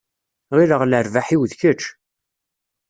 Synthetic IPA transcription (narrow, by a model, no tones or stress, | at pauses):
ʁiɾəʁləɾvaħiwðçət͡ʃ